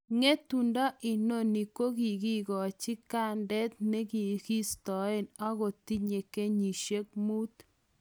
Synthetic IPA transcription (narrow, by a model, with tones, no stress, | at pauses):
ŋe˦t̪u˨nda˦ʔi˨no˦ni˨ko˦ɡi˨ɡi˦ɡɔ˨t͡ʃi˦ka˦˨ndɛ˦t̪̚ne˦ɡi˨ki˦st̪ɔ˨e˦˨na˦ɣo˨t̪i˦ɲe˨ke˦ɲi˨ʃe˦k̚mu˦t̪